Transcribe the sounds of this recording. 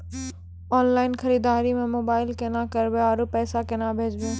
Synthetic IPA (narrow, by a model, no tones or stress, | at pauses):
ɔːnlaːɪnxɐɾiːd̪aːɾimẽmoːbaːɪlkenãkɐɾbeaːɾupɛːsakenabʱeːd͡ʒbẽ